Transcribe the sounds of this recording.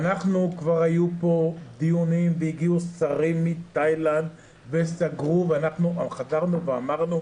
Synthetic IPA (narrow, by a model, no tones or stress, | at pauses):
anaχnukvaʁajupo̞d̪iunimveiɡiusaʁimːit̪ajland̪ | vesaɡʁuveanaχnuʔaχazaʁnuveamaʁnu